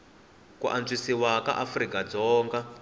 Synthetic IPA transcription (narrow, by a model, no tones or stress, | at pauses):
kuʔand͡zwisiwaka̰ʔafrikad͡zɔːŋɡa